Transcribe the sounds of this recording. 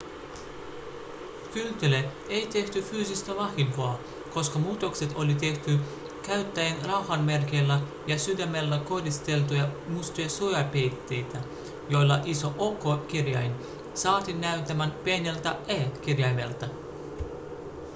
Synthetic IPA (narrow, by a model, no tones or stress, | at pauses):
kylt̪ele | ejt̪e̞ht̪yfyːsist̪æʋɑximpoɑ | ko̞skɑmuːt̪o̞kse̞t̪o̞lit̪e̞ht̪y | kæɥt̪ːæjenrɑwhɑnme̞rkelːæ | jɑsyd̪æmelːæko̞hdist̪e̞lt̪̬ujɑmust̪ojɑsujɑpejt̪ːe̞jt̪æ | jo̞jlːɑ̰ʔiso̞ʔo̞kːokirjɑ̰jn | sɑːt̪inæɥt̪æmænpienʲelt̪æeːk̟irjɑjme̞̰lt̪ɑ